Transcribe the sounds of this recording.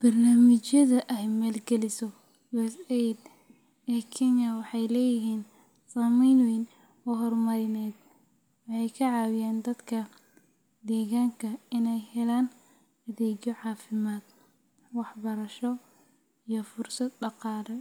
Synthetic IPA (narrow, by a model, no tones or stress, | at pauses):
b̥ɐrnaːmɪt͡ʃjɐðɐʔɛjmɛːlɡɛlɪsɔ | juːɛsɛjd̪ | ɛːkʰɛnjɐwɑħɑjlɛːjɪɦiːn | saːmɛjnwiːn | ɔɦɔrmɐɾɪnɛːd̪ | wɑħɑjkʰɐʕɑːwɪjaːnd̪ɐd̪kʰɐ | d̪ɛːɣaːŋkʰɐɪnɛjhɛlaːn | ɐðɛːd͡ʒɔʕɑːfɪmaːd̪̚ | wɑħbɐɾɐʃɔ | ijɔfʊrsɐd̪̚ɖɑqɑːlɛ